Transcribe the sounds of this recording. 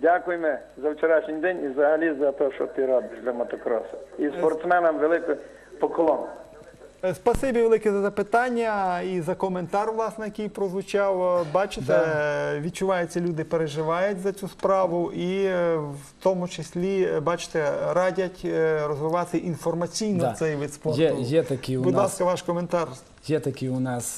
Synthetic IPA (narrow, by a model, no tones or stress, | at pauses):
dʲakʊjmɛ | zɐwt͡ʃeɾɑʃnʲɪjd̪ɛnʲiwzɐɦɐlʲizɐt̪ɔʃt͡ʃɔt̪ɪɾɔbɪʒd̪ʲlʲɐmɐt̪ɔkɾɔ̰sɐispɔrt̪smɛnɐmʋelˠɪkʊ | pɔkɔlˠɔn | spɐsɪbʲiʋelˠɪkɛzɐzɐpɪt̪ɑnʲːɐizɐkɔment̪ɑrʋlˠɑsnɛjɐkijpɾɔzʋʊt͡ʃɑwbɑt͡ʃɪt̪ɛʋʲid̪̚t͡ʃʊʋɑjet͡sʲːɐlʲud̪ɪpeɾeʒɪʋɑjʊtʲzɐt͡sʲuspɾɑʋʊʔiwwt̪ɔmʊt͡ʃesʲlʲibɑt͡ʃɪ̥t̪ɛɾɑdʲɐtʲrɔzʋɪʋɑt̪ɪʔinfɔrmɐt͡sʲijnɔsɛjʋit̪spɔrɛjɛt̪ɐkʲibʊd̪lˠɑskkɐʋɑʃkɔment̪ɑr | jɛt̪ɐkʲɪʊnɑs